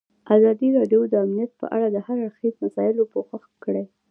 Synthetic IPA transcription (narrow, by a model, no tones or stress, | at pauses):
azɑd̪iɾɑɖjod̪əamnijat̪̚pə̰ʔa̰ɽad̪əhaɾaɽxezmasɑjɪlopəxaxkəɽe